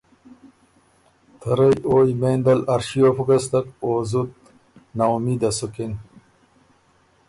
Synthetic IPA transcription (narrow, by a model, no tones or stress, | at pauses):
t̪ʰɐɾɐjoːjmeːnd̪ɐlɐɾɕijofukɐst̪ɐkoːzut̪̚ | nawmid̪ɐsuken